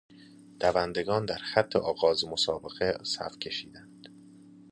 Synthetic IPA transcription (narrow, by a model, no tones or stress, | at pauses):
d̪̥ævænd̪e̞ɡɒːnd̪æɾxæt̪ʰːeʔɒːɣɒːzmosɒːbe̞ɣesæ̰fcʰe̞ʃiːd̪ænd̪̥